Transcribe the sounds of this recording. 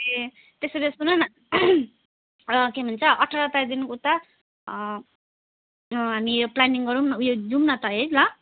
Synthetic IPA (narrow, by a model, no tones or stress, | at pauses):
e | t̪eseɾesunʌn | kemʱʌnt͡sʰʌʔʌʈʰaɾʌt̪ad̪inukut̪a | ɦamioplaniŋɡʌɾunjod͡zumnat̪ʌɦejlʌ